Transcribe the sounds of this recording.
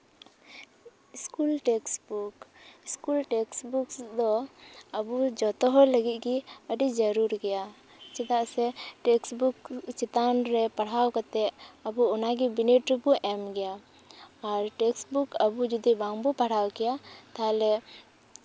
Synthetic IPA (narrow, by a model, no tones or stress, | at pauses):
iskulʈɛksbukiskulʈɛksbuksd̪ɔəbud͡ʒɔt̪ɔɦɔləɡit̪̚ˀɡiəɖid͡ʒəɾuɾɡɛja | t͡ʃit̪aʔsɛʈɛksbukt͡ʃit̪anɾɛpɐɽ̤awkat̪ɛəbuɔnaɡibiniʈɾubuʔɛmɡɛjaː | ɾʈɛksbukəbud͡ʒud̪ibaŋbupaɽ̤awkɛjat̪alɛ